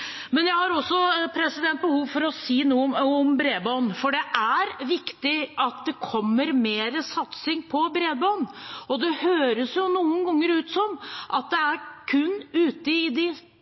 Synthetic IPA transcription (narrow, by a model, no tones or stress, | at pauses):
mɛnjæɪhɑɾɔsːɔpʰɾɛsɪd̪ɛnt̪̚bəhuːʋfɔɾɔsiːnuːəɔmbɾeːbɑːnfɔɖɛʔæɾʋɪkt̪ɪʔɑt̪̚d̪ɛkʰɔmːəɾmeːɾəsɑt̪sɪŋpʰɔbɾeːd̪bɑːnɔd̪ɛhøːɾəsjʊnuːənɡɔŋːəɾʉːt̪sɔmʔɑt̪̚d̪ɛæɾkʰʉnːʉːt̪əɪd̪ɪ